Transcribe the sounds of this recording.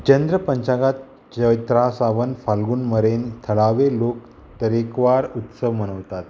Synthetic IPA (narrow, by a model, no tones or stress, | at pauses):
t͡ɕend̪ɾəpəɲt͡ɕaɡat̪ | t͡ɕəjt̪ɾasaʋənfalɡuːnməɾent̪ʰəɭaʋelok̚ | t̪əɾekʋaɾut̪səʋməñəʋt̪at̪